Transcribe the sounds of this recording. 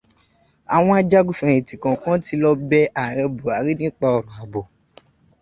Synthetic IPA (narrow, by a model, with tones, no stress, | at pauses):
a˨w̃ɔ̃˧a˧d͡ʒa˦ɡu˦fɛ̃˧ĩ˨tĩ˨kã˨kã˦ti˧˦lɔ˦bɛ˦ʔa˨ɾɛ˧bo˨a˨˦ɾi˦nĩ˦k͡pa˧ɔ˨ɾɔ̃˨a˨bo˨